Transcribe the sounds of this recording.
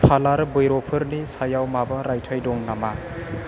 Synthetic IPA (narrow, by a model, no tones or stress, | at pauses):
pʰalaɾbɯjɾɔpʰɯɾnisajawmabɐɾajtʰajdɔŋnama